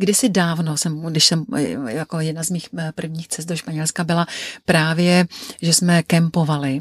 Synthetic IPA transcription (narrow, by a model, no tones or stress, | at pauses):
ɡdɪsɪdaːvnosɛmɡdɪʃsɛmjakojɛdnazmiːxpr̩vɲiːxt͡sɛst̪doʃpaɲɛlskabɪlapɾaːvjɛʒɛsmɛkɛmpo̞valɪ